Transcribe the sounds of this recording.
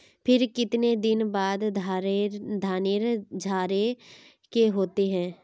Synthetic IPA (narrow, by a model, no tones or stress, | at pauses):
pʰɪɾkɪt̪ned̪ɪnbaːd̪ | d̪ʱaːnɪɾd͡ʒʱaːɾe | keɦoːt̪eɦɛ̃ː